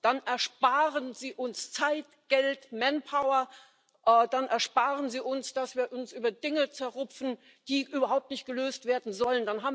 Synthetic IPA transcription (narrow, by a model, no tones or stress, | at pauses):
d̥anʔɛɐʃpaːʁənziːʔʊnst͡saɪt | ɡ̥ɛltmɛnpʰaʊɐ | ʔɛːd̥anʔɛɐʃpaːʁənziːʔʊnsd̥asv̥iːɐʔʊnsʔyːbɐdɪŋət͡sɛɐʁʊpp͡fn̩ | d̥iːʔyːbɐɦaʊp̚tnɪçt̚ɡ̥əløːstv̥eːɐdn̩zɔləndanɦaːbm̩